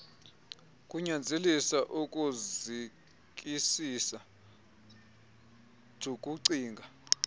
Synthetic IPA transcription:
kʼuɲand͡zʱelisaʔukʼuzi | k̬ʼisisa | d̥ʱukʼuǀiːŋɡʱa

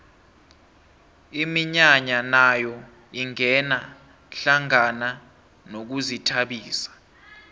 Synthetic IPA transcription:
imiɲaɲanajɔ | iŋɛna | ɬaŋana | nok̬uzitʰaɓiːsḁ

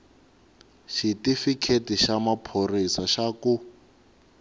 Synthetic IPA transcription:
ʃitifikʰetiʃamapʰorisaʃaku

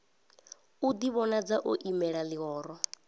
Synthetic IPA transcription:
ud̪iβɔnad͡zaʔoʔimɛɺaliɣɔːɾɔ

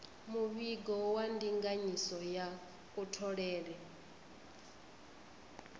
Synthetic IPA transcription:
muβiɡɔwandiŋɡaɲisɔja | kʼutʰɔɺɛːɺɛ

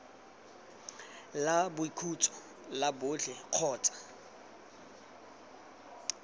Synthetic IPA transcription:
labʊikʰut͡sʼɔ̥ | labʊːɬɛq͡χʰɔːt͡sʼḁ

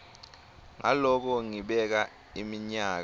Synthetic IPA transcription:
ŋa̰lɔk̬ɔŋiɓɛk̬a | imiɲaːk̬

